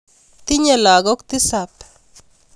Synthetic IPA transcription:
t̪ɪ˦ɲe˨la˨ɡɔ˦kt̪ɪ˦sa˨p

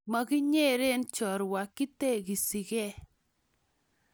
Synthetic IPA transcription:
ma˨ki˦ɲe˦ɾe˦nt͡ʃɔ˨ɾwa˨ki˦te˦˨ki˨si˨kɛ˦˨

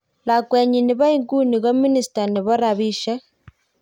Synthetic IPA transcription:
la˨kwe˨ɲi˨ne˨βa˦i˦ŋɡu˦ni˨ɣo˦mi˦ni˨sta˨ne˨βɔ˦ɾa˨βi˦ʃe˦

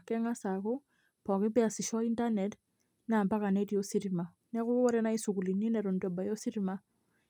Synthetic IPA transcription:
a˨kɛ˦ŋa˦sa˨kɔ˦ | pɔ˨ki˦pɛ˦a˨si˨ʃa˦i˦ntanɛt | na˨mba˦ka˨nɛ˦di˦o˦si˦ɾi˨ma˨ | nɛ˦ɣʊ˦ɔ˦ɾɛ˦na˦i˦su˨k̬u˨li˨ni˦nɛ˨ɾo˨ndɛ˨ba˨jo˦si˦ɾi˦ma˦

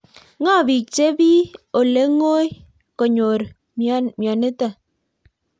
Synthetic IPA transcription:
ŋa˦˨bi˨t͡ʃe˦bi˦o˨le˨˦ŋo˦j | kɔ˨ɲo˨ɾ | mjɔ˨ne˦tə˦˨

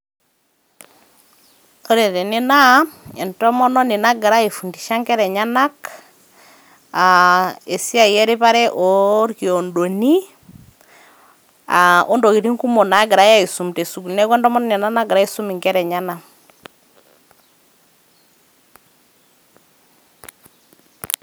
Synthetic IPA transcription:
o˦ɾe˨tɛ˨nɪ˦na˦ɛ˨ntɔ˦mɔ˦nɔ˦nɪ˨na˦ɡɪ˨ɾa˦e˨fu˨ndi˨ʃa˦ŋkɛ˦ɾɛ˨ɲa˦na˦k | ae˨si˦a˦˨ɛ˦ɾɪ˦pa˦ɾɛ˦ʔɔ˨˦ɾki˨o˨ndo˨ni˦ | a̰˨ʔo˦ndo˨ki˨ɾi˦ŋku˦mo˨na˨˦ɡɪ˨ɾa˨˦ja˦i˨su˨mte˨su˨knɛ˦kwɛ˦ndɔ˦mɔ˦nɔ˦ni˨na˦na˦ɡɪ˨ɾa˦i˦su˦mi˨ŋkɛ˦ɾɛ˨ɲa˦na˦

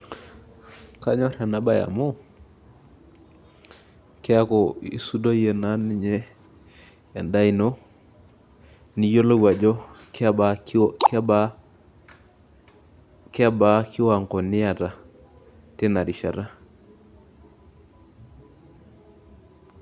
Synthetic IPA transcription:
ka˦ɲɔ˦ɾa˨na˦ba˦ja̰˨mo˦ | kɛ˦a˦kɔ˨i˦su˦do˦je˨na˨˦ni˦ɲɛ˦ | a˨nda˦i˨no˦ | ni˦jo˦lo˦ɡwa˨d͡ʒɔ˦kakba˦ | ka˦ba˦kɪ˦wa˨ŋkɔ˨nɪ˦ja˨ta˨ | tɛ˦na˨ɾi˨ʃa˨ɾa˦

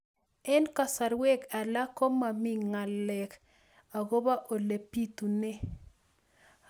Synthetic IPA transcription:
ɛ˦nka˨sa˨ɾwɛ˦ka˨la˦ko˦ma˨mi˦ŋa˨lɛ˨k | a˨ɡo˦ba˦ʔo˨le˨pi˦t̪u˨ne˦

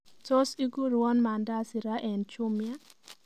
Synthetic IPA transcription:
tɔ˦si˦ɡu˦ɾwɔ˦nma˨nda˦si˨ɾa˦ʔɛ˨nt͡ʃʊ˦mja˦

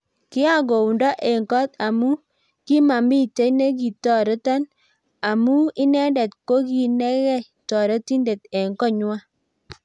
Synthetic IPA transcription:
kɪ˦a˦˨ɡo˨u˨ndɔ˦ʔɛ˨ŋkɔ˦ta˨mu˦ | ki˦ma˨mbi˦te˦ne˦ɡi˨tɔ˨ɾe˦ta˦n | a˨mu˦ɪ˦nɛ˦ndɛ˨tko˦ɡi˨nɛ˦ɣɛ˦ | tɔ˨ɾe˦ti˦nde˨tɛ˨ŋkɔ˦ɲʊ˦a˦

